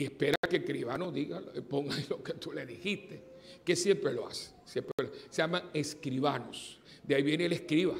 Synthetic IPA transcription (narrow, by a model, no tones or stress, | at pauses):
iehpe̞ɾakekɾiβanoðiɣalpoŋɡailoket̪ule̞ðixist̪e̞ke̞sje̞mpɾeloa̰se̥sjempɾeeloseamaeskɾiβanosd̪eaiβjeneeleskɾiβa